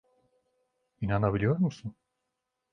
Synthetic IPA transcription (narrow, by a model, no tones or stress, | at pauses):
inanabilʲijo̞ɾmusun